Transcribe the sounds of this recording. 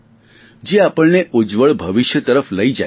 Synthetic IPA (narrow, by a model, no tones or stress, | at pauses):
d͡ʒeapəɭneʔod͡ʒʋəɭbʱəʋiʃjət̪əɾəfləid͡ʒa